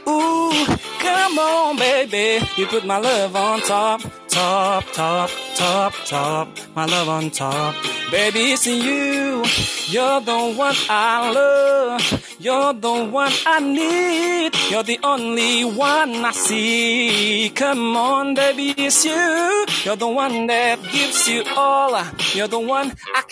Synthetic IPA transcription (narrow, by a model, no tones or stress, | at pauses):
u | kʰʌmɔnbeɪbijɨpʊt̚maɪlʌvn̩tʰɔp̚tʰɔp̚tʰɔp̚tʰɔp̚tʰɔp̚maɪlʌvn̩tʰɔp̚b̥eɪbizɨ̃njʉ | jə˞ðõʊ̃nt̚wʌ̃naɪlʌv | jə˞ðəwʌ̃naɪnid̚jə˞ðiʔõʊ̃nliwʌnaɪsi | kʰʌmənbeɪbizjʉjə˞ðəwʌ̃nðɨt̚ɡ̥ɪvzjɨɔlˠjə˞ðəwʌ̃naɪ